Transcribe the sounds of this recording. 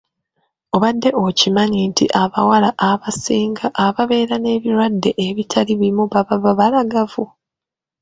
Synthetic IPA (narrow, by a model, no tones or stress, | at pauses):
o̞βadːe̞ʔo̞cimaɲintiʔaβawalaʔaβasiːŋɡaʔːβaβe̞ːɾane̞ːβiɾwadːe̞ʔeβitʰaliβuimuβaβaβaβalaɡavu